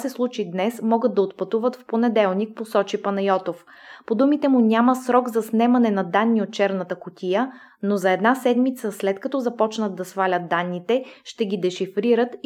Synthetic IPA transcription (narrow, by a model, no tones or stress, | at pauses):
sɛslˠut͡ʃid̪nɛsmɔɡət̪̚d̪ːɐot̪pɐt̪uvət̪fponɛd̪ɛlˠnik̚posɔt͡ʃipɐnɐjɔt̪of | pod̪umit̪ɛmunʲaməsɾɔɡzɐsnɛmɐnɛnɐd̪anːiot̪̚t͡ʃɛɾnət̪əkʊt̪ʲijə | nozɐɛd̪nasɛd̪mit̪səslɛt̪kɐt̪ɔzɐpɔt͡ʃnət̪̚d̪ɐsvalʲət̪̚d̪anːit̪ɛʃt̪ɛɡid̪ɛʃifɾiɾət̪